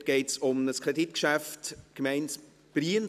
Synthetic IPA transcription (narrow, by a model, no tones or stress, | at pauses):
ɡ̥ɛɪtsʊmnəskʰʁeditkʃæftkmɛɪns | b̥riən